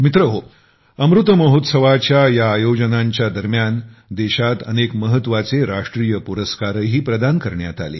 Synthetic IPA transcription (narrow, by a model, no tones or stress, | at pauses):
mit̪ɾəɦo | əmɾut̪əməɦot̪səʋat͡ɕjajaːjod͡ʑənaɲt͡ɕjad̪əɾmjand̪eɕat̪ə̰nekməɦət̪ːʋat͡seɾaʂʈɾiːjəpuɾəskaɾəɦiːpɾəd̪ankəɾɳja̰t̪a̰lḛː